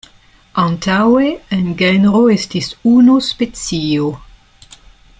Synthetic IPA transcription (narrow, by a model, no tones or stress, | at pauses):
antaweenɡenɾoestisunospet͡sio